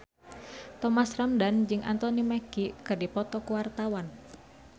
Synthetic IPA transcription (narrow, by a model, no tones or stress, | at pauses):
t̪ɔmasramdand͡ʒɨŋʔa̰nt̪ɔnimɛkikɨrdipɔt̪ɔkuwart̪awan